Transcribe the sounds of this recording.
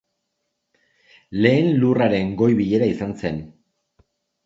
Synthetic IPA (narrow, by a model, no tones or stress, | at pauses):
le̞ːnluraɾe̞ŋɡo̞jβiʎe̞ɾaisanse̞n